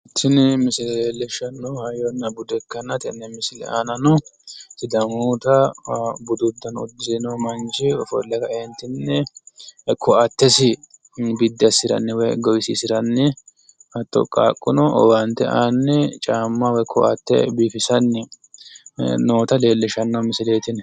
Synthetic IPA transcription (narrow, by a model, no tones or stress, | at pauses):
t̪ʰɪnɛmɪsɪlɛleːlːɛʃːɐnːɔhɐjɔnːɐbʊd̪ɛkːɐnɐt̪ɪnːɛmɪsɪlɛ̰ʔaːnɐnɔt̪ɪd̪ɐmuːt̪ɐbʊd̪ʊd̪ːɐnʊ̰d̪ːɪsɪnomɐnt͡ʃɪɔfɔ̰lːɛkɐɛnt̪ːɪnːɛ | kʰɔʔɐt̪ːɛsɪ | bɪd̪ːɪɐsɪɾɐ̰nːɛwɔjɡɔjsisɪɾɐnːɛ | hɐt̪ːɔ̰kʼːa̰ːkʼːʊnɔɔ̰wɐnt̪ːɛ̰ʔaːnːɛt͡ʃʼaːmːɐwɔjkʰɔʔɐ̰t̪ːɛ̰biːfɪsɐnːɛ | noːt̪ɐle̞ːlːɛʃɐnːɐwmɪsɪle̞ːt̪ɪn